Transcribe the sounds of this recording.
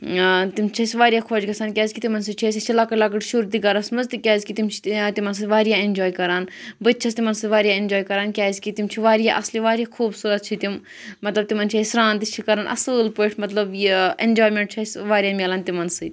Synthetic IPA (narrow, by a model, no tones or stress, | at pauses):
t̪imt͡ʃʰɐsʋaːɾijaːkʰoːd͡ʒɡɐsaːnkʲjaːzʲkit̪imɐns̬ɨt͡ʃʰes̬ʲɐt͡ʃʰilaːkɐʈlaːkɐʈʃuːɾd̪iɡɐɾɐsmɐzt̪ikʲaːzʲkit̪imt͡ʃʰi̥t̪imɐns̬ɨʋaːɾijaːend͡ʒoːjkɐɾaːnbət̪̚ːt͡ʃʰɐst̪imɐnsɨʋaːɾijaːenʲd͡ʒoːjkɐɾaːnkʲaːzʲkit̪imt͡ʃʰiʋaːɾijaʔɐsliʋaːɾijaːkʰuːbsuːɾɐt̪̚t͡ʃʰit̪im | mɐt̪lɐb̚t̪imɐnt͡ʃʰeːsɾãːnt̪it͡ʃʰikɐɾaːnʔɐ̰sɨːlpoʈʰmɐt̪lɐbjienʲd͡ʒoːjmeɳʈ̚t͡ʃʰɐsʲʋaːɾijaːmeːlaːnt̪imɐnsɨt̪ʲ